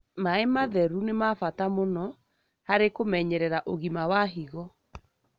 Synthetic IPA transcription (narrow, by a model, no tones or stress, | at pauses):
maemaðɛɾunemafatamonɔ | haɾekomɛɲɛɾɛɾaʔoɣimawaɦiɣɔ